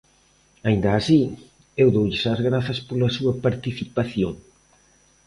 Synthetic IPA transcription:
aind̪ɐːsi | ewðowʎɪsazɣɾaθɐspolɐsuɐpaɾt̪iθipaθjoŋ

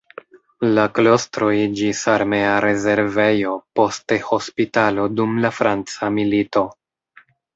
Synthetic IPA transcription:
laklo̞stɾo̞id͡ʒisaɾme̞aɾe̞ze̞ɾve̞jo̞po̞steho̞spitalo̞dumlafɾant͡samilito̞

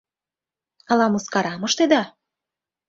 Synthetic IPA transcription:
ɑlɑmuskɑɾɑmɤ̆ʃt̪ed̪ɑ

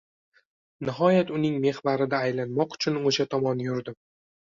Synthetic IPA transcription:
nɪɦɒjat̪ʊnɪŋme̞hbaɾɪd̪aːjlanmɒqʊ̥t͡ʃʰʊnoʃat̪ʰɒmɒnjʊɾd̪ɪm

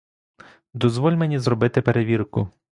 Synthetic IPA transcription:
d̪ɔzʋɔlʲmenʲizrɔbɪt̪ɪpeɾeʋʲirkʊ

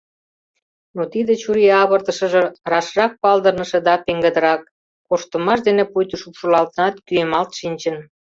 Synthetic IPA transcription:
not̪id̪et͡ɕuɾiɑβərt̪ə̆ʃə̆ʒĕrɑʃrɑk̚pɑld̪ərnə̆ʃĕd̪ɑpeŋɡə̆d̪əɾɑk̚ː | oʃt̪ə̆mɑʃd̪enepujt̪əʃupʃulɑlt̪ənɑt̪kyemɑlt̪ʃinʲt͡ɕə̆n

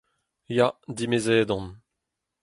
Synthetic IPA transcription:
jad̪imezɛːd̪ɔ̃n

